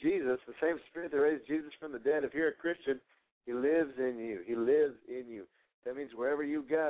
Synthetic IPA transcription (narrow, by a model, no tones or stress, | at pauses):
d͡ʒizɨsðɨsẽɪ̃mspɪɹɨt̪̚ðɨt̚ɹeɪzd͡ʒizɨsfɹʌ̃mðɨdɛɾʌv̥hiɹɨkʰɹ̥ɪst͡ʃɨ̃n | ilɪvzɪ̃njʉilɪvzɪ̃njʉ | ðɨt̚mĩnzwə˞ɛvə˞jɨɡɑ